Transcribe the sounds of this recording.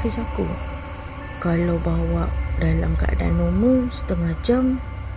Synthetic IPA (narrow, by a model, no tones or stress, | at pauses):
fisakṵ | kalawbawaʔdala̰mkaʔa̰da̰numusə̥t̪əŋad͡ʒam